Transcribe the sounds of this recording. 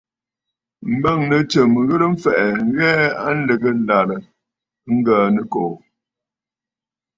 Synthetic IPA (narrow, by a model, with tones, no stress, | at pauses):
m̩˦ba˦˨ŋnə˨t͡ʃə˨m˨ɣə˦ɾə˦m̩˦fɛ˨ʔɛ˨ŋ˦ɣɛ˦a˦n̩˦lə˨ɡə˦la˨ɾə˨˦ | ŋ̩˦ɡaː˨nə˦ko˨